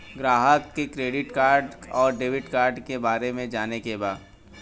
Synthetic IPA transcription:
ɡɾaːɦəkːekɾeːɖɪʈkaːɾɖɔːɾɖeːʋɪʈkaːɾɖkebaːɾemẽd͡ʒaːnekebaːd̪

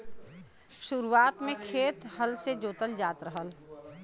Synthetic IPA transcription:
ʃʊɾuaːt̪mẽkʰeːt̪ɦəlsed͡ʒoːt̪əld͡ʒaːt̪ɾəɦəl

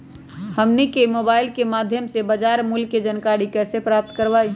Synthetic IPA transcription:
həmnikemoːbaːɪilkemad̪ʱjəmsebəd͡ʒaɾmulkːed͡ʒənkaɾikɛːsepɾap̚t̪kəɾʋaːi

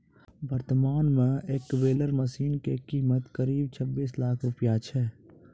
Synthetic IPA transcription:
bəɾt̪əmaːnmẽeːkʋeːləɾməsiːnkekiːmət̪kəɾiːb̚t͡ʃʰəbːiːslaːkʰɾʊpjat͡ʃʰɛː

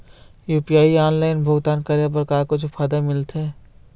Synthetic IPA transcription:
juːpijaːiaːnlaːɪnbʱʊɡt̪aːnkaɾjabəɾkaːkod͡ʒʰʊpʰaːd̪amɪlt̪ɦɛː

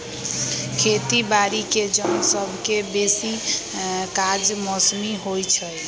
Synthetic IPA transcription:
kʰet̪ibaɾiked͡ʒənsəbʱkebesi | kad͡ʒmɔsmiɦojt͡ʃʰəj

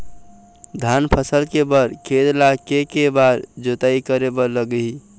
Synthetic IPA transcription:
d̪ʱanpʰəsəlkebəɾkʰed̪lakekebaɾd͡ʒot̪aikəɾebələɡi

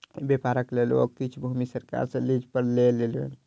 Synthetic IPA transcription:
bepaɾəklelo̰kit͡ʃʰbʱumisəɾka̰ɾsə̃lid͡ʒpəɾlelelḛn

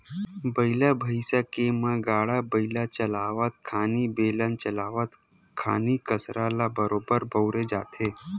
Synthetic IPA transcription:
bəilabʱəjsakemãɡaɽabəilat͡ʃəlaʋat̪kʰanibelãnt͡ʃəlaʋat̪ | kʰa̰nikəsɾalabəɾobəɾbʱəwɾed͡ʒa̰ːt̪ʰe

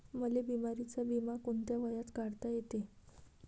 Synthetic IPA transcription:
məlebimaɾit͡sabimakoɳt̪jaʋəjat̪kaɽt̪ajet̪e

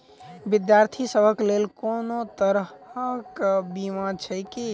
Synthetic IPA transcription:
bɪd̪jaɾt̪ʰisəbʱəklelkoːnot̪əɾəkbimat͡ʃʰəjki

